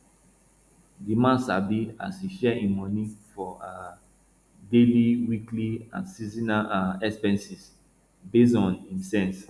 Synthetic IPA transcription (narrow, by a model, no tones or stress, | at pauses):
dimãnsabia̰siʃɛĩmɔnĩfɔa | deliwikliã̰nsizinaaɛspɛ̃nsis | bes̬ɔ̃nĩnsɛ̃ns